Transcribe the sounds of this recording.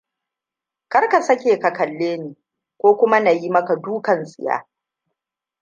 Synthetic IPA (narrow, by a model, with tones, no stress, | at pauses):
kɐ˦rka˨sɐ˦kʲeː˨kɐ˨kɐ˨lːeː˦niː˨ | kʷoː˦kʷʊ˦ma˦na˨ji˦mɐ˦ka˨duː˦kɐ˨nsʼɪ˨ja̰ː˦